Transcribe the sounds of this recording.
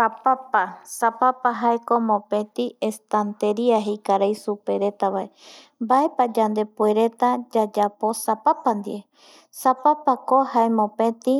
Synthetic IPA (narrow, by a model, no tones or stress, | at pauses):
apapasapapaɦaekomõpẽ̞t̪iest̪ant̪eɾiaɦejkaɾajsupe̞ɾe̞t̪aβae | mbae̞pad͡ʒand̪e̞pueɾe̞t̪ad͡ʒad͡ʒapo̞sapapand̪ḭe | sapapakohaemõpẽ̞t̪i